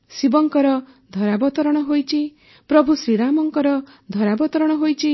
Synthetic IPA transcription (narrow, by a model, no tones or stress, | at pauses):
sibɔŋkɔɾɔ | d̪ʱɔɾabɔt̪ɔɾɔɽ̃ɔɦojt͡ʃʰi | pɾɔbʱusɾiɾamɔŋkɔɾɔ | d̪ʱɔɾabɔt̪ɔɾɔɽ̃ɔɦojt͡ʃʰi